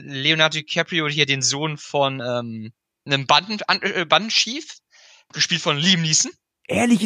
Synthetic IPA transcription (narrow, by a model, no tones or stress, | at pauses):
leonaɐdokʰɛpʁiʊthiːɐdeːnzoːnfɔnʔɛːm | nəmbadn̩a̰nɛbandn̩ʃiːf | ɡ̥əʃpiːltfɔnliːmniːsn̩ | ʔeːɐlɪç